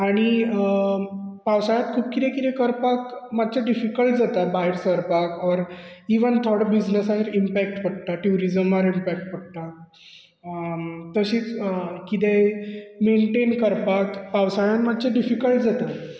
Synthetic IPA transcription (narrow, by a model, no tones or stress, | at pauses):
aɽ̃i | pawsajat̪̚kʰuːb̚kʰit̪ɛ̃kit̪ɛ̃kəɾpakmad̪t͡ɕaɖifikəɭʈ̚d͡zat̪abaɦeɾsəɾpakɔɾiʋənt̪ʰəɽbid͡ʑnəsaɦeɾimpæk̚ʈpəɽ̚t̪aʈjuɾid͡zəmaɾimpɛk̚ʈ̚pəɽ̚t̪a | t̪əɕiːt͡skit̪ɛmeɳʈenkəɾpakpawsajãnmad̪t͡ɕaɖifikəɭʈ̚d͡zat̪a